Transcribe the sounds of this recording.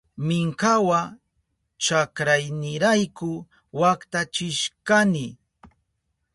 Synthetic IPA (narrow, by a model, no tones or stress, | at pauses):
mɪŋkawa | t͡ʃakɾajnɪɾajkʊ | wakt̪at͡ʃɪʃkanɪ